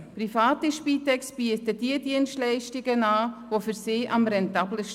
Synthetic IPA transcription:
pɾifɑːtiʃpiːtɛksb̥iətədiədiənstlɛɪʃtiɡənɑːʋofyɾsɪːʔɑmɾɛntɑbləʃ

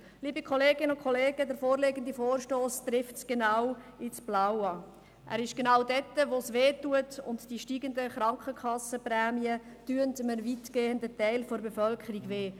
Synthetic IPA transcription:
liːbikʰɔleːɡɪnəʊnkʰɔleːɡədəɾfoːɾleɡəndifoːɾʃtoːstɾɪftsɡ̥enaw | ɪt͡sb̥lawɑ | ʔæ̰ːɾɪʃɡ̥enaːwdɛtːəʋosʋeːtːuətʊntd̥iʃtiːɡəndəχɾɑŋkχəkʰχɑsəprɛːmiə | tyəntmənvitɡ̥eːəndətɛɪlfoɾbefœlkʰəɾiɡveː

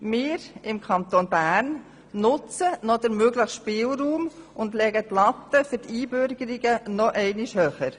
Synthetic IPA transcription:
mɪːɾɪmkʰɑnt̪onbæːɾn | nʊt͡sənɔd̪əɾmøɡləχʃpɪːlɾuːmʊndlɛɡət̪lɑt̪ːəfyɾtiːbʏɾɡəɾiɡənɔʔɛɪniʃhøːχəɾ

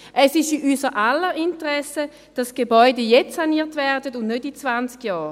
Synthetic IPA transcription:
ʔɛsɪʃiʔyːsəʔalːəintəʁɛsə | d̥asɡ̥ebɔʏdəjɛt͡ssaniːɐtvɛɐdətʊndnøtit͡svant͡skjɑːʁ

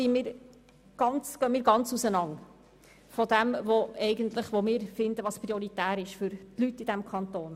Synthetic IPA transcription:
imiːɾ | ɡ̥ɑnt͡sɡ̥œəmiːɾɡɑnt͡susənɑŋ | fɔd̪ɛmʋoɛɪɡənt̪ləχʋomɪːɾfɪnd̪əʋɑspɾiɔɾit̪æːɾɪʃfʏɾtlytːid̥̪æmkʰɑnt̪oːn

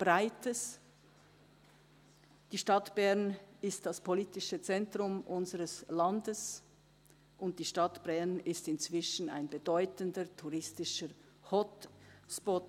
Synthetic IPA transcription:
b̥ʁaɪtʰəs | d̥iːʃtatb̥ɛʁnɪstd̥aspʰoliːtɪʃət͡sɛntʁ̥ʊmʔʊnzəʁəslandəs | ʔʊnt̚d̥iːʃtatb̥ɛʁnɪstɪnt͡sv̥ɪʃn̩a̰ɪnbədɔʏtəndətʰuʁɪstɪʃə | hɔtspɔt

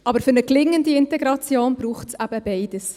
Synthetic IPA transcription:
ʔɑbəɾfʏɾnəklɪŋːəndiɪntɛɡɾɑt͡sjoːnbɾuːχtsæb̥əb̥ɛɪd̥əs

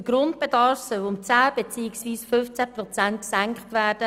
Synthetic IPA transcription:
əɡ̥rʊntb̥edɑɾfsœlʊmt͡saːb̥et͡siːɪksʋiːsfʏnft͡sæprɔt͡sæntksæŋkχtʋæːrd̥ə

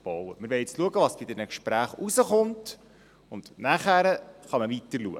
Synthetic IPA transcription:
b̥ɔwəmɪɾʋɛjɪt͡sluəɡəʋɑsb̥id̪ɛnəkʃpɾæːχuzəχʊnt | ʊnd̥̪næχæɾəχɑməvitəɾluə̰

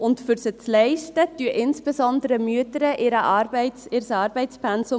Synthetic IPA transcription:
ʊntfʏɾsət͡slɛɪʃtətyəʔɪnsb̥esɔndəɾəmyətəɾəʔɪɾəʔɑɾbɛɪsɪɾsɑːɾbɛɪspʰɛnso

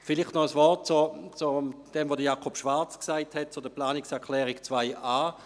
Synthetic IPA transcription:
filiχtnɔəsvɔʁt̚t͡sot͡sod̥ɛmvodəjaːkʰopʃʋ̥aɐt͡sksaɪthɛt̚t͡sodəplaːniksɛɐkʰlɛːʁikt͡sv̥aɪʔaː

